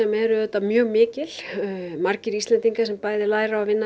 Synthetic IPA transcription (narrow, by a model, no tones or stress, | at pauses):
ɛmɛɾʏðɛt̪ːamjœːɣmɪːcɪl̥maɾcɪɾist̪lɛnt̪iŋkasɛmpaːjðɪlaːjɾaavɪnːa